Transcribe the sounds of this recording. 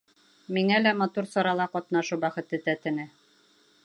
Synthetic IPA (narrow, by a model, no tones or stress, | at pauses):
miŋælæmɑt̪uɾsɒɾɑlˠɑqɒt̪nɑʃɤwbæχɘ̆t̪ɘt̪æt̪ɘ̆nɘ